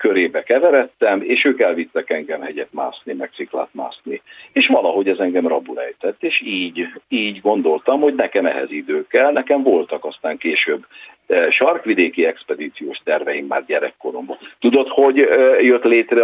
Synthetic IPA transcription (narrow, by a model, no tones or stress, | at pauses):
køɾeːbɛkɛvɛɾɛt̪ːɛmeːʃøːkɛlvit̪ːɛkɛŋɡɛmhɛɟɛt̪ma̰ːsnimɛk̚t̪sikla̰ːt̪ma̰ːsnieːʃʋɒlɒɦo̞ɟɛzɛŋɡɛmrɒbulɛ̰jt̪ɛt̪ːeːʃiːɟiːɟɡo̞nd̪o̞lt̪ɒmhoɟnɛkɛmɛ̰ɦɛ̰zid̪øːkːɛlnɛkɛɱvo̞lt̪ɒkɒst̪aːŋkeːʃøːbː | ʃɒrkʋid̪eːkiɛkspɛd̪iːt̪sijoːʃt̪ɛrvɛjimːa̰ːrɟɛɾɛ̰kːo̞ɾo̞mbɒt̪ud̪o̞t̪ho̞ɟjøt̪leːt̪rɛ